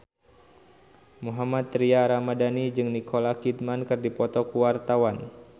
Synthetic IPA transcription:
muɦamat̪ːɾiaɾamadanid͡ʒɨŋnikʰolakit̪̚mankɨrdipɔt̪ɔkuwart̪awan

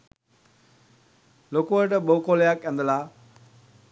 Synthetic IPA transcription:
lokuəɾʈəɓoukoːljaːkɐ̃nd̪əlaː

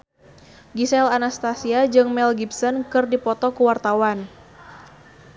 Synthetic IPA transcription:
ɡisɛlanast̪asiad͡ʒɨŋmɛlɡibsɔnkɨrdipɔt̪ɔkuwart̪awan

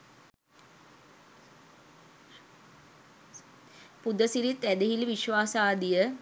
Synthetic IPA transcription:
pud̪əsiɾit̪æd̪eɦiliʋiʃʋaːsaːd̪ijə

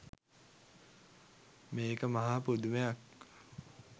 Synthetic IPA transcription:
meːkəmɐɦaːpud̪umejak̚

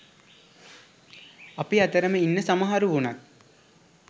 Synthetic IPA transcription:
ɐpiat̪əɾəməinːəsamɐɦaɾuʋunat̪̚

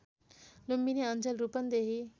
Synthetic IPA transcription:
lumbineənd͡ʒəlɾuːpənd̪eɦi

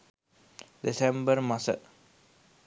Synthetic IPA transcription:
disɛ̃mbəɾmasə̰t

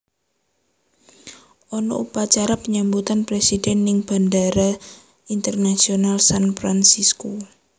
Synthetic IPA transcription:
ʔɔnɔupat͡ʃaɾapəɲambut̪anpɾesidɛnːɪŋb̥a̤ndaɾa | int̪ərnasionalsanfɾansisko

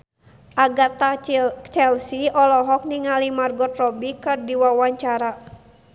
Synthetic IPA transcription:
ʔaɡat̪at͡ʃɛlsiɔlɔɦɔk̚niŋalimarɡɔt̪rɔbikɨrdiwawaɲt͡ʃaɾa

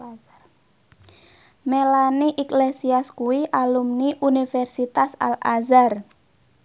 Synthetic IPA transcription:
melaniʔiklesiaskuwiʔalumniʔunifɛrsit̪asa̰lʔa̰zar

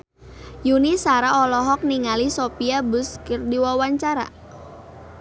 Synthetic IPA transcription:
junisaɾaɔlɔɦɔk̚niŋalisopiabʊskərdiwawaɲt͡ʃaɾa̰

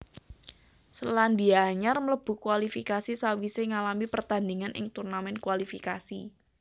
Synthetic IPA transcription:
səlandiaːɲarmələb̥ṳkuwalifikasisawiseŋalamipərt̪andiŋanʔɪ̰ŋt̪urnamɛnkuwalifikasi

